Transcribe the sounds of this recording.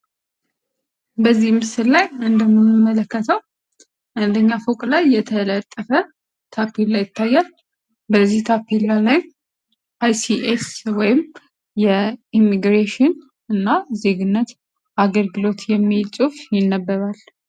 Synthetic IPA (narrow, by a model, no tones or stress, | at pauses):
bəzːihmɨsɨllajɨnd̪əmoməmələkːət̪ʰəw | ʔand̪əɲːafokʼlajːɛt̪ʰələt̪ʼːəfə | t̪ʰapʰːelajːɪt̪ʰːajːal | bəzːiht̪ʰapːilːalaj | ʔajsiʔeswɔjɪm | jɛimːiɡɾeʃɪn | ɨnːaze̞ɡɨnːət̪ | ʔaɡəlɡɨlo̞t̪jɛmːit͡ʃʼufjɪnːəbːəɾal